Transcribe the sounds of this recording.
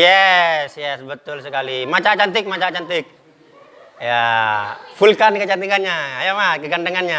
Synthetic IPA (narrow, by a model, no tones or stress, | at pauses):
jɛsjɛsbət̪ʊlsəkalimat͡ʃat͡ʃant̪ɪk̚mat͡ʃat͡ʃant̪ɪk̚ | ja | fulkankət͡ʃant̪ikanɲaajamakəɡandəŋanɲa